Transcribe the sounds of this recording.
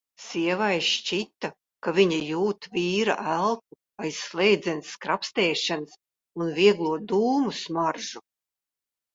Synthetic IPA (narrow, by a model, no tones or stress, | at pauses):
siɛvajʃt͡ʃit̪ːa | kavʲiɲajuːt̪viːɾa̰ʔælˠk̚u | ajsːlˠɛjd̪zʲɛnskɾapst̪ɛːʃans | unviɛɡlˠuɔd̪uːmusmaɾʒu